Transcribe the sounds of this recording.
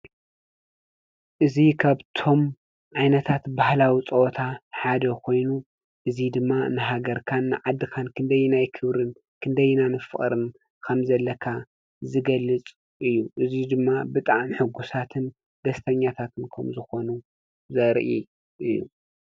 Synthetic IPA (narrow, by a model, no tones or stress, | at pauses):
ʔɨzikʰaβt̪ʰo̞m | ʕajnɐt̪ʰat̪bahlawit͡sʼɐwɔt̪ʰaħad̪ɐkʰo̞jnu | ʔɨzid̪ɨmːanɨɦaɡɐɾkʰanːɨʕad̪ːɨkʰankʰɨnd̪ɐjnajkʰɨβɾɨn | kʰɨnd̪ɐjɨnanɨfɨχʼɾɨm | kʰɐmzɐlːɐkʰa | zɨɡɐlːɨt͡sʼ | ʔɨjːuʔɨzid̪ɨmːabɨt̪ʼaʕmħɨɡusat̪ʰɨn | d̪ɐst̪ʰɐɲːat̪ʰat̪ʰɨnkʰɐmzɨxo̞nu | zɐɾʔi | ʔɨjːṵ